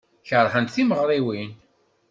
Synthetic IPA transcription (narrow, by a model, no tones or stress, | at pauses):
çəɾˤħənt̪θiməʁɾˤiwin